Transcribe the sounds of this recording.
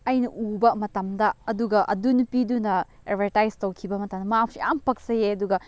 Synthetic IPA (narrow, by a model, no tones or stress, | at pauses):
ɐjnɐʔubɐmɐtɐmdɐɐduɡɐʔɐ̰dunupidunɐ | ebʱɐɾtajztɐwkʰibɐmɐtɐmdɐmɐam̚sijampɐk̚sɐjeɐduɡɐ